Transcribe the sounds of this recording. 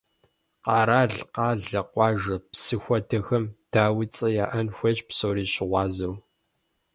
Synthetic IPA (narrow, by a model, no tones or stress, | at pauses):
qɑːɾaːɮqɑːɮɐqʷɑːʒɐpsɨxʷɐtʰɐxɐmd̥ʰaːwit͡sʼɐjaːʔɐnxʷɔt͡ʃpsoːɾiːɕɪʁʷɑːzɐw